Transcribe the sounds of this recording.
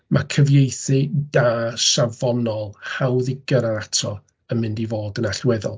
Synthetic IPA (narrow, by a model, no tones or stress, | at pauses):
makʰəvjejθɨd̥aːʃavɔnɔlˠhawðɪɡəɾaɾatʰrɔ | əmɪndivoːdənaɬwɛðɔ̰lˠ